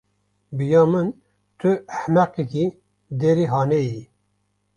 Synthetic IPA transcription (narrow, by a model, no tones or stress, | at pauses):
bɨjɑːmɨn | t̪ʰɨæhmæqiki | d̪eɾiːɦɑːneji